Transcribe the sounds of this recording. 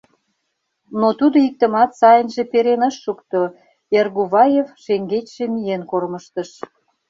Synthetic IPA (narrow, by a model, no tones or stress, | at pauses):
not̪ud̪oik̚t̪ə̆mɑt̪sɑjənʒĕpeɾenəʃːukt̪o | erɣuβɑjefʃeŋɡet͡ɕʃemijenkorməʃt̪əʃ